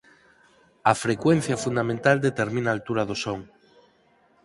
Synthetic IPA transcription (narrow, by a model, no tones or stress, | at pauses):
ɐfɾekwen̟θjafund̪amẽnt̪ald̪et̪eɾmĩnaːlt̪uɾaðosoŋ